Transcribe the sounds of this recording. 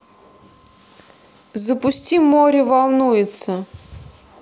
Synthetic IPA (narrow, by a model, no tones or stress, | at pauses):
zəpʊsʲtʲimoɾʲɪvalˠnujɪt̪sə